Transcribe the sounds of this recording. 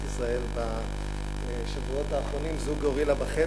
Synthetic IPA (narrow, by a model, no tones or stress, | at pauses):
isʁae̞lba | ʃavuo̞t̪aːχʁo̞nimzuɡoʁilabaχe